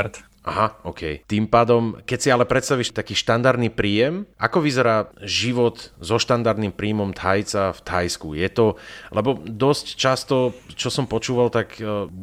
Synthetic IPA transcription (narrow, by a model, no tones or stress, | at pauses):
ɾt̪ | ʔa̰ɦaʔɔkʰɛ̰jt̪iːmpaːd̪ɔmkɛcsialɛpɾɛt̪st̪aʋiːʃt̪akiːʃt̪and̪aɾd̪nipɾiːjɛmʔa̰kɔʋizɛɾaːʒiʋɔt̪zɔʃt̪and̪aɾd̪nimpɾiːmɔmt̪ajt͡saft̪ajskujɛt̪ɔlɛbɔd̪ɔsct͡ʃast̪ɔt͡ʃɔsɔmpɔt͡ʃuːʋalt̪ak